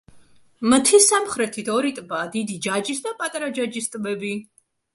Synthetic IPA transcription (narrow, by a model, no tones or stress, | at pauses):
mt̪ʰisamχɾɛt̪ʰit̪ʰɔɾit̪ʼbaːd̪id̪id͡ʒad͡ʒisd̪apʼat̪ʼaɾad͡ʒad͡ʒist̪ʼbɛbi